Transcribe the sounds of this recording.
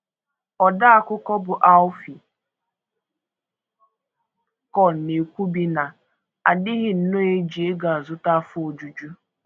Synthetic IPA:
ɔ˨da˦a˨kʷʊ˦kɔ˦bʊ˨ʔa˦ʊ˦fi˨ | kɔ˨ne˨kʷu˦bi˦na˨ | a˨dɪ˦ɣɪ˨n̩˦no˦e˦d͡ʒi˨e˦ɡa˨a˨zʊ˦ta˦fʊ˦o˨d͡ʒu˨d͡ʒu˦

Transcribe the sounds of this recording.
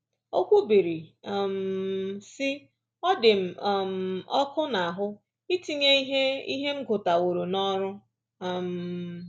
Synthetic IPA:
o˦kʷu˦bi˨ɾi˨m̩˨sɪ˦ | ɔ˦dɪ˨m̩˨m̩˨ɔ˦kʊ˦na˨a˨ɦʊ˦ | i˦ti˦ɲe˦i˦ɦe˦ḭ˦ɦe˦m̩˦ɡʊ˨ta˨wo˨ɾo˨nɔ˦ɾʊ˦˨ | m̩˨

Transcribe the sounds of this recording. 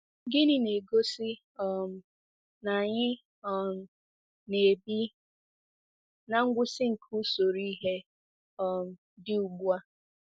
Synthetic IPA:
ɡɪ˦nɪ˦ne˨ɡo˦sɪ˦ | ɔ˦˨m̩˨ | na˨ɲɪ˦ | ɔ˦m̩˨ | ne˨bi˦ | na˨ŋ̩˦ɡʷʊ˦sɪ˦ŋ̩˨kʰu˦so˨ɾi˦ɦe˦ | ɔ˦m̩˨ | dɪ˦u˨ɡ͡bu˦a˦

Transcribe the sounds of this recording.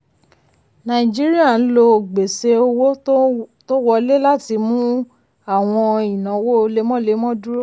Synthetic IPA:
nã˨i˨d͡ʒi˦ɾi˦a˦˨n̩˦lo˧˨ɡ͡be˨se˧o˧wo˦to˦wɔ˧le˦la˦ti˧mũ˦ | a˦˨w̃ɔ̃˧ĩ˨nã˨wo˦˧le˨˦mɔ̃˦le˨˦mɔ̃˦du˦ɾo˦

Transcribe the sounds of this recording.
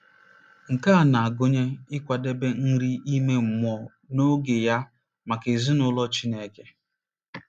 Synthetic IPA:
ŋ̩˨ka˦a˨na˨a˨ɡʊ˦ɲe˦ɪ˦kʷa˨de˦be˦n̩˦ɾi˦i˦me˦m̩˨mɔ˨ | no˦ɡɪ˨ja˦ | ma˨ke˨zi˦nʊ˦lɔ˦t͡ʃi˦ne˦ke˦

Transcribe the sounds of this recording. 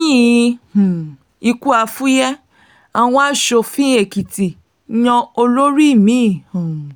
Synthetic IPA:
ĩ˦˨˧ | i˧ku˦a˨˧fu˦jɛ˦ | a˧w̃ɔ̃˧˦a˦ʃo˧fĩ˦e˦˨ki˨ti˨ | ɲɔ̃˧o˧lo˦ɾi˦˨mĩ˨˦˨

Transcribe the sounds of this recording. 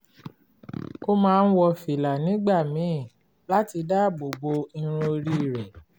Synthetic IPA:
ko˦mãː˦˧n̩˦wɔ˧fi˨la˨nĩ˨˦ɡ͡ba˦˨mĩ˨˦˨ | la˦ti˧da˦ɡ͡bo˨bo˧ĩ˧ɾ̃õ˧ɾi˦˨ɾɛ˨

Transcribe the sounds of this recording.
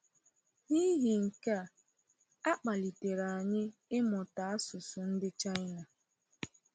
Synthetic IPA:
ni˦ɦi˨ŋ̩˨ka˦˨ | a˦k͡pa˨li˨te˨ɾa˨a˨ɲɪ˦ɪ˦mɔ˨ta˨a˦sʊ˨sʊ˨n̩˦dɪ˦t͡ʃa˦jna˨

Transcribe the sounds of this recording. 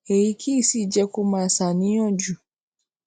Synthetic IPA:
e˨ji˧kʰi˦i˦˨si˦˨d͡ʒɛ˧ko˦mãː˦˨sa˨nĩ˨˦jɔ̃˦˨d͡ʒu˨

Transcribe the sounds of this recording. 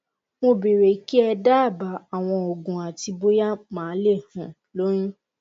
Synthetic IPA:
mo˧be˨ɾe˨˦ki˦ɛ˧da˦˨ba˨˦a˨w̃ɔ̃˧o˨ɡũ˨a˨ti˧bo˦ja˦mãː˨˦le˦˨hũ˨ | lo˦ɾ̃ĩ˦

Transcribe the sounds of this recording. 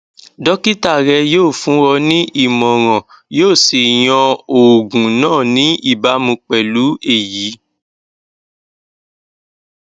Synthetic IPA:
dɔ˦ki˦ta˦˨ɾɛ˧joː˦˨fũ˨˦wɔ˧nĩ˦ʔi˦˨mɔ̃˨ɾ̃ã˨ | joː˦˨si˨j̃ɔ̃˧o˨ɡũ˨nãː˦˨nĩ˨˦i˦˨ba˨˦mũ˧k͡pɛ˨lu˨˦e˦˨ji˨˦

